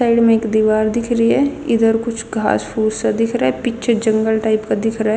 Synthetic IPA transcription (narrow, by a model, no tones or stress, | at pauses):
aːɪɖmẽeːkd̪iʋaːɾd̪ɪkʰɾəɦiɦɛɪd̪əɾkʊt͡ʃʰɡʱa̰ːspʰuːzsad̪ɪkʰɾɐɦɛpɪkːt͡ʃʰed͡ʒɐ̃ŋɡəlʈaːɪpkad̪ɪkʰɾɐɦɛ